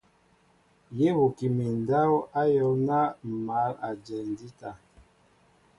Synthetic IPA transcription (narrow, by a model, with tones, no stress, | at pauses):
je˦βu˨ki˨mi˨n˨da˦wa˦jɔ˦wna˦˨ma˨˦la˨d͡ʒɛ˨n˨di˦ta˨